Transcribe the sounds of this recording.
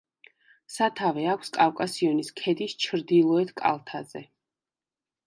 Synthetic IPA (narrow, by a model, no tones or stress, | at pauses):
sat̪ʰavɛakʷʰskʼawkʼasiɔniskʰɛd̪ist͡ʃʰɾd̪ilˠɔɛt̪ʰkʼa̰lˠt̪ʰazɛ